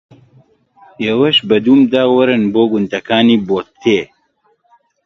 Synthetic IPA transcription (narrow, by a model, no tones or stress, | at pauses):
ewɐʃbɐd̪uːmd̪aːwɐɾɨnboːɡund̪ɐkaːniːboːt̪t̪ʰːeː